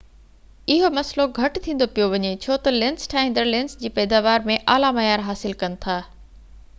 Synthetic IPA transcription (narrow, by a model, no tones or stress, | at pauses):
ɪɦomɐsloɡʱɐʈt̪ʰĩːn̆d̪opijoʋɐɲet͡ɕʰoːt̪ɐlɪ̃nsʈʰaːɦĩnd̪əɾlɪ̃nsd͡ʑiːpɛːd̪aːʋaːɾmẽʔaːlamɐjaːɾɦaːsɪlkɐnɪ̆t̪ʰaː